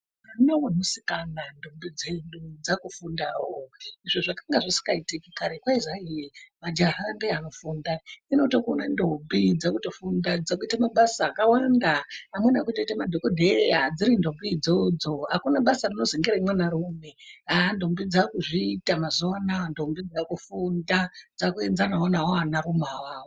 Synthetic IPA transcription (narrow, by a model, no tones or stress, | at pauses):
anawonosi̥kanandʱombid͡ze̞nɗud͡zakufundawoiʐoʐakaŋɡaʐisi̥kaitikikaɾekwaiʐaimad͡ʒarambeano̞fundaino̞tokuonandombid͡zakuto̞fundad͡zakuitamaɓasaːkawandaːmwenakuitoitamadʱokodʱejad͡ziɾindo̞bid͡zod͡zo̞ɦakunaɓasarino̞zeŋɡeɾaimwanaɾumeandombid͡zakuʐiːtamazoanandombid͡zakufundad͡zakuend͡zanaonaɦaanaɾumawaːwo